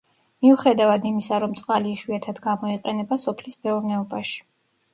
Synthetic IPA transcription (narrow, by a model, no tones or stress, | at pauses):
miuχɛd̪avad̪imisaɾɔmt̪sʼqʼaliːʃwiat̪ʰad̪ɡamɔiqʼɛnɛbasɔpʰlismɛɔɾnɛɔbaʃi̥